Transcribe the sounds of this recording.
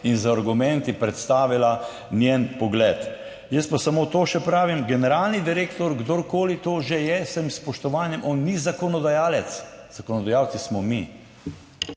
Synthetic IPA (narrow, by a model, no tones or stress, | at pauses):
inzaaɾɡumɛ̃nt̪ipɾɛt̪st̪aːʋila | nʲjenpɔɡlɛːt̪ | jəst̪̚pasamoːt̪oːʃɛpɾaːʋimɡɛnɛɾaːlnid̪iɾeːkt̪ɔɾɡd̪oɾkoːlit̪oːʒejɛsɛmspɔʃt̪ɔʋaːnjɛmʔɔːnːizakɔnɔd̪ajaːlɛt̪sz̥akɔnɔd̪ajawt̪sismɔmi